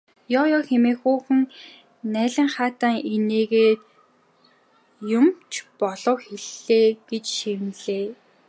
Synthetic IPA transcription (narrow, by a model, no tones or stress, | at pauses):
jɔwjɔːxemeːxuːxɘ̆ŋ | næːɮʲɪ̆ŋχaːt̪aːŋeneːɣeːt̪ | jʊmt͡ɕʰpɔɮɞ̆wxeɮːeːɡ̥et͡ɕʃemɮeː